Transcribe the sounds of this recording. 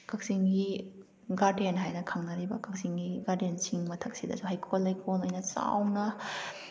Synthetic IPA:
kak̚siŋɡi | ɡaɾdenɦajnɐkʰaŋnɐɾibɐkak̚siŋɡiɡaɾdensiŋmɐtʰɐk̚sidɐ̰suhajkʰolɐjkʰolojnɐt͡ʃa̰wnɐ

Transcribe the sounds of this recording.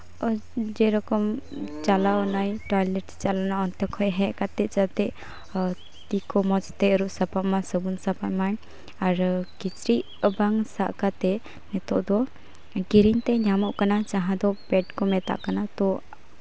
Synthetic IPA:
ɔd͡ʒɛɾɔkɔmt͡ʃalaɔnajʈɔjlɛʈst͡ʃalanaɔnt̪ɔkʰɔjɦɛʔkat̪ɛʔt͡ʃat̪ɛʔ | t̪ikɔmɔt͡ʃt̪ɛɾuʔsapaʔmasəbunsapaʔmaɲ | aɾkit͡ʃɾiʔ | əbaŋsa̰ʔkat̪ɛ | nɛt̪ɔʔd̪ɔ | ɡiɾiɲt̪ɛɲamɔʔkanat͡ʃaɦãd̪ɔpɛʈkɔmɛt̪a̰ʔkanat̪ɔ

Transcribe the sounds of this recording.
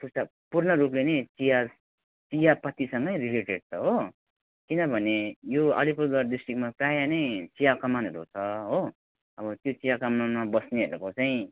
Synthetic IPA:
t̪usʈa | purnʌɾuplenet͡sija | t͡sijapʌt̪ːisʌŋɡʌjrileʈeɖ̚t͡sʰʌɦo | kinʌbʱʌnejoʌ̰lipud̪ʌrɖisʈrikmaprajanʌjt͡sijakʌmanɦʌɾut͡sʰʌɦo | ʌbʌt̪jot͡sijakʌmanmabʌsneɦʌɾukot͡saĩ

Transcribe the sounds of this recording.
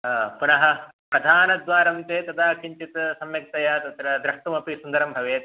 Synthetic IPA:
punɐɦɐ̆ | pɾɐd̪ʱaːnɐd̪ʋaːɾɐmt̪eːt̪ɐd̪aːkʰiɲt͡ʃit̪sɐmjɐk̚t̪ɐjaːt̪ɐt̪ɾɐd̪ɾɐʂʈ̪umɐpisund̪ɐɾɐmbʱɐʋeːt̪

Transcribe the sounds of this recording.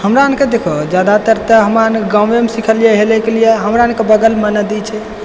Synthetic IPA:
həmɾaənked̪ekʰod͡ʒjad̪at̪əɾt̪əɦəmanɡãʋemesikʰəlijeɦelɛkelijeɦəmɾaənkebəɡəlmənəd̪it͡ʃʰɛ

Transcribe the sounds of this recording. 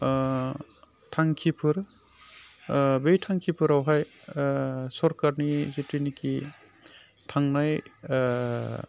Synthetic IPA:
tʰaŋkʰipʰɯɾ | bejtʰaŋkʰipʰɯɾawɦaj | sɔɾkaɾnizitɾiniki | tʰaŋnaj

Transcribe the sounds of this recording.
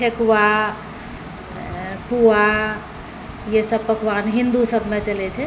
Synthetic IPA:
ʈʰekwa | pua | jesəbpəkwanɦind̪usəbʱmet͡ʃəlɛt͡ʃʰɛ

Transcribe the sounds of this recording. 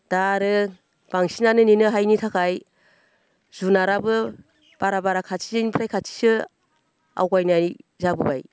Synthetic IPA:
d̥aɾɯ | b̥aŋsinanɯninɯɦajnitʰakʰaj | zunaɾabɯ | b̥aɾabaɾakʰatʰinpʰɾajkʰatʰi̥sɯ | a̰wkajnazabɯba̰j

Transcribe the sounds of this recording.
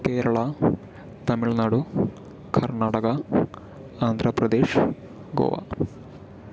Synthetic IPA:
keːɾɐɭa | t̪ɐmiɭnaːɽu | kʰɐɾnaːʈɐɡɐ | aːnd̪ʱɾɐpɾɐd̪eːʂ | ɡo̰ːʋa̰

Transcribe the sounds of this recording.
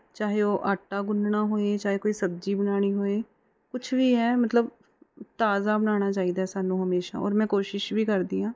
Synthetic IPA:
t͡ʃaːɦeoːʔaːʈːaːɡʊnɖnaːɦoːeːt͡ʃaːɦekoːiːsəb̚d͡ʒiːbənaːɽ̃iːɦoːeː | kʊt͡ʃʰʋiːɦɛːmət̪ləb | t̪aːzaːbənaːñaːt͡ʃaːid̪aːɦɛsaːnũːɦəmeːʃa̰ːɔ̰ːɾmɛ̃ːkoːʃɪʃbʱiːkəɾd̪iːãː

